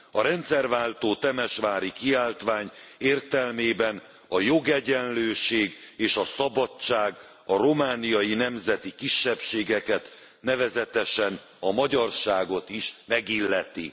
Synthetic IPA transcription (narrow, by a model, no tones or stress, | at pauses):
ɒɾɛnt̪sɛrvaːlt̪oːt̪ɛmɛʃʋaːɾikiaːlt̪ʋaːɲeːrt̪ɛlmeːbɛn | ɒjo̞ɡɛɟɛnløːʃeːɡeːʃɒsɒbɒt͡ʃːaːɡ | ɒɾo̞maːnijɒjinɛmzɛt̪ikiʃːɛpʃeːɡɛkɛt̪ | nɛvɛzɛt̪ɛʃɛn | ɒmɒɟɒrʃaːɡo̞t̪iʃmɛɡilːɛt̪ḭ